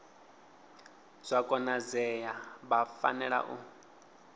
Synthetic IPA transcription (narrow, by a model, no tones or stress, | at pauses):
z̥ʷakʼɔnazɛjabafa̰nɛɺa̰ʔu